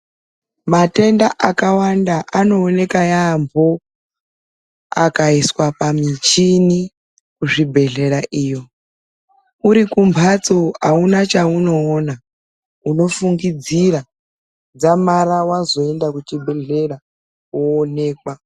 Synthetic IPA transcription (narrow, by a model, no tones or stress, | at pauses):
mate̞ndaʔakawandaʔano̞ːne̞kajambʱo | a̰kaiswapamit͡ʃini | kuʐibʱe̞ɮe̞ɾaʔiːjo̞ | uɾikumpʰat͡soaunat͡ʃauno̞ːna | uno̞fuŋɡid͡ziɾa | d͡zamaɾawazo̞e̞ndakut͡ʃibʱe̞ɮe̞ɾa | woːne̞ːkwa